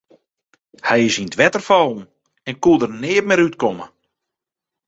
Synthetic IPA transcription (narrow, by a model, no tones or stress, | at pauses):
hɛjɪsintʋɛtərfɔln̩ | ɛnkudərnɪːətmɪɾytkɔmə̰